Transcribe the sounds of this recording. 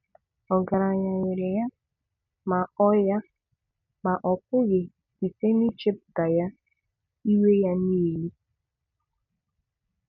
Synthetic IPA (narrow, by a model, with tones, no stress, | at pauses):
ɔ˨ɡa˨ɾa˨ɲa˨ɲɪ˨ɾɪ˨ja˦ | ma˨ɔ˦ja˦ | ma˨ʔɔ˨kʷʊ˦ɣe˨ | i˨se˦ni˦t͡ʃe˦p̚ɡa˨ja˦ | i˦we˦ja˦n˦i˦˨li˦